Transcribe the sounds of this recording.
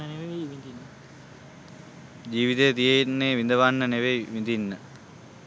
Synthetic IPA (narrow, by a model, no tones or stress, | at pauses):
neʋeʋid̪inː | d͡ʒiːʋit̪ejət̪ijejinːeːʋind̪əʋanːəneʋejʋind̪inːə